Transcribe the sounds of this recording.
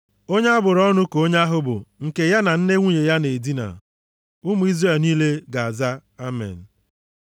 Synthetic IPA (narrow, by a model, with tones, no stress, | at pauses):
o˦ɲ˦a˦bʊ˨ɾɔ˦nʊ˦ko˦ɲa˦ɦʊ˦bʊ̰˨ŋ̩˨ke˨ja˦na˨n̩˦ne˦ŋʷu˦ɲe˨ja˦ne˨di˦na̰˨ | ʊ˦mʊ˨˦i˦zre˦˨lniː˦le˦ɡa˨a˨za˦a˦mḛ˨n̩˨